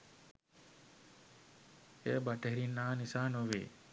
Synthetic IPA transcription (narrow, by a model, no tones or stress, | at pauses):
ebɐʈɐɦiɾinːaːnisaːnoʋḛː